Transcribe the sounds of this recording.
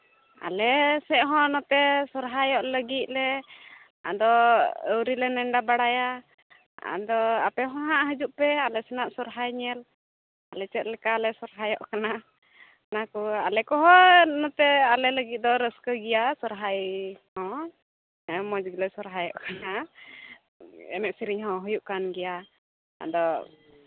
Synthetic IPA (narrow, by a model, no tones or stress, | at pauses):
a̰lɛsɛʔɦɔ̃nɔt̪ɛsɔɾɦajɔʔləɡit̪̚ˀlɛ | a̰d̪ɔəwɾilɛnɛɳɖabaɽaja | a̰d̪ɔa̰pɛɦɔ̃ɦaʔɦəd͡ʒuʔpɛalɛsɛnaʔsɔɾɦajɲɛl | alɛt͡ʃɛt̪̚lɛkalɛsɔɾɦajɔʔkana | nakualɛkɔɦɔnɔt̪ɛalɛləɡit̪̚d̪ɔɾəskəɡɛjasɔɾɦajhɔ̃ | mɔd͡ʒɡilɛsɔɾɦajɔʔkana | ɛ̰mɛk̚siɾiɲɦɔ̃ɦɔjuʔkanɡɛja | a̰d̪ɔ